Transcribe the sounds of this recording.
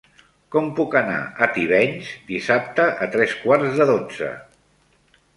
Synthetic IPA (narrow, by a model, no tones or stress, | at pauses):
kɔmpukəna̰ət̪iβ̞ɛɲzd̪isap̚t̪əʔət̪ɾɛskwaɾzðəðod͡zə̰